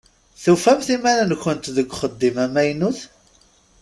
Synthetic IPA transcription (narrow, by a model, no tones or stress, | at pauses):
θufæmθimæɾnçənt̪ðəɡʷːχəd̪ːimæmæjnuθ